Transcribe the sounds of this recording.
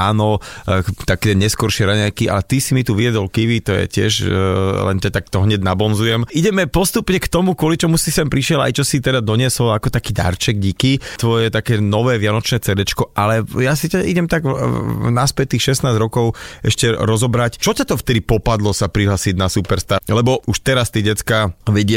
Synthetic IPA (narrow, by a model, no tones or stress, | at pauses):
aːnɔ | t̪akɛɲɛskɔɾʃɪɛɾaɲajkiʔa̰lɛt̪isimit̪uʋijɛd̪ɔlkiʋit̪ɔjɛ̰cɪɛ̰ʃlɛ̰ncat̪akt̪ɔɦɲɛɟnabɔnzujɛmiɟɛmɛpɔst̪upɲɛkt̪ɔmukʊɔlit͡ʃɔmusisɛmpɾiʃɪɛla̰jt͡ʃɔsit̪ɛd̪ad̪ɔɲɪɛsɔlakɔt̪akiːd̪a̰ɾt͡ʃɛɡ̚ɟikit̪ʋɔjɛt̪akɛːnɔʋɛːʋɪanɔt͡ʃnɛːt͡sɛɾɛt͡ʃkɔʔalɛjasicaʔiɟɛmt̪aɡnaspɛt̚t̪ːiːxʃɛsnaːzɾɔkɔʊɛʃcɛɾɔzɔbɾact͡ʃɔcat̪ɔft̪ɛd̪ipɔpad̪lɔsapɾiɦlaːsiɟnasupɛɾst̪alɛbɔʔuʃt̪ɛɾast̪iɟɛt͡skaʋɛɟɪɛ